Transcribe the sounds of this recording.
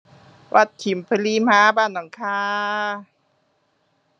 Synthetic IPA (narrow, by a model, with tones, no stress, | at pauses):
wʔa̰˧˩t̪̚ʰːi˨˦mpʰa˧liː˧˥maː˦˥baː˧˩˨nːa˨˦ŋkʰaː˧